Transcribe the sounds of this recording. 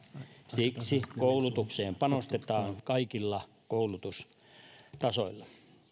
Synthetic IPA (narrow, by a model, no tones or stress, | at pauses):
siksikoulut̪ukseːmpɑnost̪et̪ɑːŋkɑikilːɑ | koulut̪us | t̪ɑso̰ilːɑ